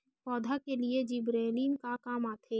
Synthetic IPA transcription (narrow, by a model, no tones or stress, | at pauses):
pɔːd̪ʱakelied͡ʒibɾeːliːnkakaːmaːt̪ʰeː